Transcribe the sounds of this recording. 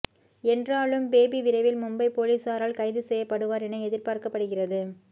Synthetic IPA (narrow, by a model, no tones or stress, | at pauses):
ɛndraːɭɯmbeːbiʋɪɾɐɪʋɪlmʊmbɐɪpoːliːsaːɾaːlkɐɪðɯsɛjːɐpːɐɽɯʋaːɾɛnɐɪɛðɪrpaːrkɐpːɐɽɯɣɪrɐðɯ